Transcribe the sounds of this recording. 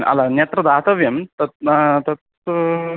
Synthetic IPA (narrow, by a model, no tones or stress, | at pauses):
nɐ̰lanjɐt̪ɾɐd̪aːt̪ɐʋjɐmt̪ɐt̪t̪ɐt̪